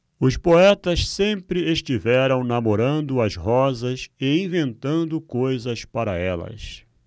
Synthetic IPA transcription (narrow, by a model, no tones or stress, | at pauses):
ʊspoɛt̪ɐssẽmpɾɪeʃt͡ʃivɛɾɐ̃w̃namoɾɐ̃nd̪ʊɐzɦɔzɐsɪĩvẽnt̪ɐ̃nd̪ʊkojzɐspaɾɐɛlɐ̰s